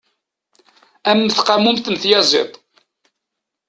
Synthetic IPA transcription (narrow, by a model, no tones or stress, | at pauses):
æmːθqamumθənθjæzˤḛt̪ˤ